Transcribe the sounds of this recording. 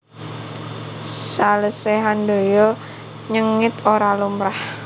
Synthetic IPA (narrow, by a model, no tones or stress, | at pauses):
saləseɦando̤jɔ | ɲəŋɪt̪oɾalumɾah